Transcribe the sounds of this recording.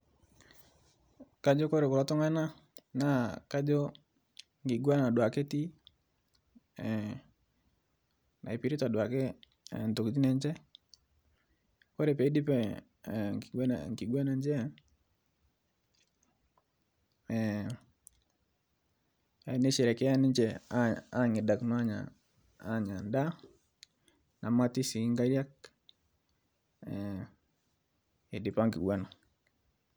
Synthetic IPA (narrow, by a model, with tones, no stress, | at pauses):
ka˦d͡ʒo˦ko˦ɾe˨kʊ˨ɾa˦tʊ˦ŋa˦na˦ | na˨˦ka˦d͡ʒo˦ | ŋɡi˨ɡwa˦na˨na˨dwa˨ke˦ti˦˨ | nʔa̰˨i˨pi˨ɾi˦ta˨dwa˨ke˦˨ | n˨to˨kd͡ʒi˦nɛ˨ɲd͡ʒɛ˦ | ko˦ɾe˨pɛ˨i˦di˦pɛ˨˦ | ŋki˨ɡwɛ˦na˨ɲd͡ʒɛ˦˨ | a˨˦ne˦ʃɛ˨ɾɛ˨kɛ˦a˦ne˦ɲd͡ʒɛ˨a˦ŋe˨da˨knwa˦ɲa̰˨ | a˦ɲa˨nda˦ | na˨ma˦ti˦si˨˦ŋɡa˦ɾja˦k̚ | e˨di˨pa˦ŋki˨ɡwa˦na˨